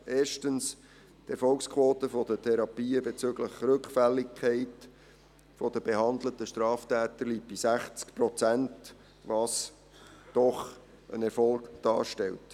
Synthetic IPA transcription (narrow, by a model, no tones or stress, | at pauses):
ʔeːɾʃtəns | tɛɾfɔlkskʰvoːtəfɔdətʰɛɾɑpiːəbet͡sʏɡləχɾɵkfælːikʰːɛɪt | fɔd̪əb̥eɦɑnd̪lətəʃtɾɑːftæːtəɾliːpb̥isæχt͡skpɾɔt͡sænt | vɑːs | d̥ɔχ | ʔə̰nɛɾfɔlɡd̥ɑ̰ːʃtɛlt